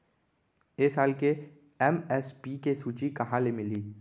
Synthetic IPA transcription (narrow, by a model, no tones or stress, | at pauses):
eːsaːlke | ɛmɛspiːkesuːt͡ʃikɐɦãlemɪliː